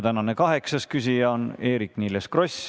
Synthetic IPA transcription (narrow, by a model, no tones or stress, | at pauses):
t̪ænɑnekɑɦe̞ksɑskysʲijɑone̞ːɾikːniːleskrosʲ